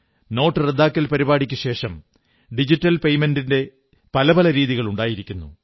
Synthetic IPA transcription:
no̞ːʈːɨred̪ːaːkːɐlpɐɾibaːɽikʲːuɕe̞ːʂɐm | ɖid͡ʑitːɐlpe̞jmendinde̞ | pɐlɐbɐlɐɾiːðiɣɐɭuɳɖaːjiɾikʲːunːṵ

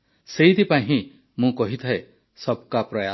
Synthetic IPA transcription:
seit̪ipaɦĩ | mũkɔɦit̪ʰae | sɔb̚kapɾɔja

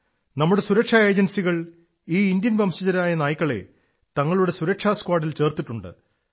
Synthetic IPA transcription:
nɐmːuɽe̞suɾɐkʂɐe̞ːd͡ʑɐnsiɣɐɭ | iːind̪jɐnbʱɐmɕit͡ɕɐɾaːjɐnaːjikːɐɭe̞̰ | t̪ɐŋːɐɭuɽe̞suɾɐkʂaːskwaːɖilt͡ɕe̞ːrt̪iʈːuɳɖɨ̰

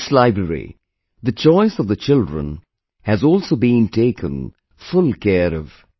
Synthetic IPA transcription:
slaɪbɹəɹḭ | ðɨt͡ʃɔɪsʌvðɨt͡ʃɪlˠdɹə̰̃n | hɨzɔlˠsoʊbĩntʰeɪkʰə̰̃n | fʊlˠkʰɛɾʌv̥

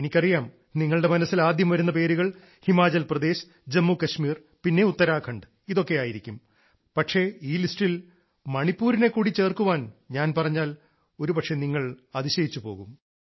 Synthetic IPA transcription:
enikʲːɐrijaːm | niŋːɐɭɽe̞mɐnɐsːilaːd̪jɐmʋɐɾunːɐpe̞ːɾuɣɐɭ | himaːd͡ʑɐlprɐd̪e̞ːɕ | d͡ʑemːukɐɕmiːr | pinːe̞ut̪ːɐɾaːkʰɐɳɖɨ | iðo̞kːe̞jaːjiɾikʲːum | pɐʈʂe̞iːlisʈil | mɐɳipːuːɾine̞kːuːɽit͡ɕːe̞ːrkuʋaːnɲaːnpɐrɐɲːaːl | o̞ɾupɐʈʂe̞niŋːɐɭɐðiɕɐjit͡ɕːupo̞ːɣum

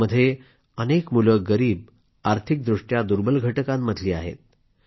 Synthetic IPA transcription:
əd̪ʱːje | ənekmuləɡəɾiːb | aɾt̪ʰik̚d̪ɾuʂʈjad̪uɾbəlɡʱəʈəkãmːəd̪ʱliːa̰ɦḛt̪̚

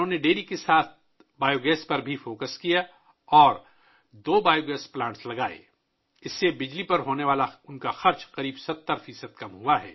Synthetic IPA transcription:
ɦõːneɖeːlikesaːt̪̚ʰ | baːjoːɡɛːspɐɾbʱifoːkəskija | ɔːɾ | d̪oːbaːjoɡɛːsplãːʈslɐɡaːḛ | ɪsːebɪd͡ʒlipɐɾɦoːneʋaːlaʊnkaxɐɾt͡ʃqɐɾiːbsɐt̪ːəɾfiːsəd̪̚kɐmɦuaɦɛ̰ː

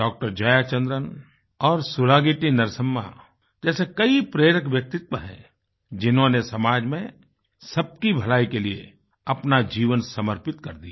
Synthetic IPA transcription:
ɖɔːk̚ʈəɾd͡ʒəjat͡ʃə̃nd̪ɾən | ɔːɾsʊɾaːɡiʈinəɾsəmːa̰ | d͡ʒɛːsekɐipɾeːɾəkʋjək̚t̪ɪt̪wəɦɛ̰̃ | d͡ʒɪnɦõnesɐmaːd͡ʒmẽ | sɐb̚kibʱɐlaːikeliḛ | ɐpnad͡ʒiːʋənsɐməɾpɪt̪kɐɾd̪ia

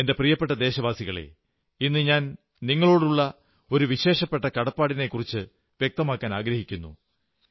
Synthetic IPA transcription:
e̞nde̞prijɐpːe̞ʈːɐd̪e̞ːɕɐʋaːsiɣɐɭe̞̰ | inːɨɲaːn | niŋːɐɭo̞ːɽuɭːɐ | o̞ɾuʋiɕe̞ːʂɐpːe̞ʈːɐkɐɽɐpːaːɽine̞kːurit͡ɕːɨ | ʋje̞k̚t̪ɐmaːkːaːnaːɡɾɐhikʲːunːṵ

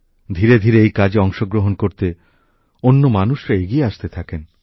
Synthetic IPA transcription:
d̪ʱiɾed̪ʱiɾeejkad͡ʑeɔŋʃoɡɾoɦonkoɾt̪e | onːomanuʃɾaeɡieaʃt̪et̪ʰaken

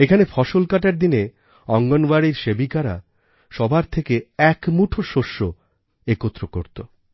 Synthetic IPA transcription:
ekʰanefʰɔʃolkaʈaɾd̪ine | ɔŋɡonbaɾiɾʃebikaɾa̰ | ʃɔbʱaɾt̪ʰekeɛkmuʈʰoʃoʃːo | ekot̪ːɾoko̰ɾt̪o

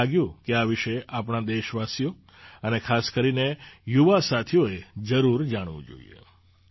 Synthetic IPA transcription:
aɡjũkeaʋiʃeapɳad̪eʃʋasjo | ənekʰaskəɾinejuʋasat̪ʰijoed͡ʒəɾuɾd͡ʒaɽ̃ʋṵ̃d͡ʒo̰ḭjḛ

